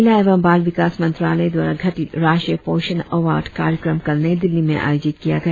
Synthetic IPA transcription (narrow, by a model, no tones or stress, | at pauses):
laeːʋəmbaːlʋɪkaːsmɐ̃nt̪ɾaːləid̪wa̰ːɾaɡʱɐʈiɾaːʃʈɾiəpoːʃənɐʋaːɾɖkaːɾjəkɾəmkɐɾned̪ɪlːimẽʔa̰ːjoːd͡ʒɪt̪kijaɡɐja